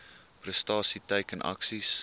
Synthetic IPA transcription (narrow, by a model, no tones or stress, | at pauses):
prəstɑːsitəjkənʔɐ̰ksis